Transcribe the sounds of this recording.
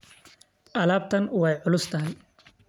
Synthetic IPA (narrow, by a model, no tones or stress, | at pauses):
ʔɐlaːb̚t̪ʰɐnwɑjʕʊlʊst̪ʰɐɦɪj